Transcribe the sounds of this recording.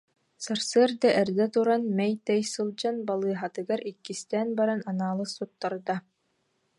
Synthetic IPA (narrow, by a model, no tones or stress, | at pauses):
saɾsɯɐɾd̪aʔɛɾd̪ɛt̪uɾanmɛjt̪ɛjsɯlˠd͡ʑanbalˠɯːɦat̪ɯɡaɾikːist̪ɛːnbaɾananaːlˠɯsːut̪ːaɾd̪a